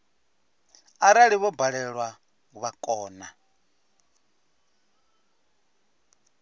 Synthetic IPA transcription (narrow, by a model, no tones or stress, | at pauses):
aɾaɺiβɔbaɺɛɺwa | uβakʼɔːna